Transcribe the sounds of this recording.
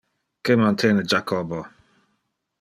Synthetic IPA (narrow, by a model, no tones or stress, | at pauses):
kɛmantʰenəd͡ʒakʰɔbɔ